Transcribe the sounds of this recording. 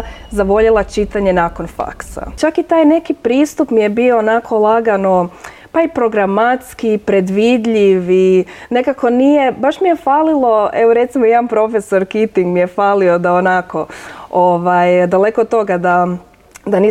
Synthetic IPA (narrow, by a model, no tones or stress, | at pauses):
zaʋo̞ʎelˠat͡ʃit̪aɲe̞naːko̞nfa̰ksa̰t͡ʃakit̪aːjne̞kipɾiːst̪upmije̞bioːnako̞lˠaɡano | paipɾo̞ɡɾamat̪skiːpɾe̞d̪ʋid̪ʎiʋine̞kako̞nije̞baʃmije̞faːlilˠo̞eʋoɾe̞t̪simojanpɾo̞fe̞so̞ɾkit̪iŋɡmijefaːlio̞d̪aonako̞oʋajd̪ale̞kod̪̚t̪o̞ɡad̪a | d̪ani